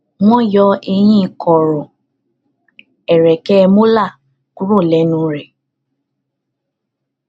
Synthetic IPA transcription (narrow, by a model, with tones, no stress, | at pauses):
w̃ɔ̃˦jɔ˨˧˦e˧j̃ĩ˦˨kʰɔ˨ɾɔ˨ | ɛ˨ɾɛ˨kɛ˦˧mo˦la˦˨ | ku˦ɾo˦˨lɛ˨˦nũ˨˦ɾɛ˨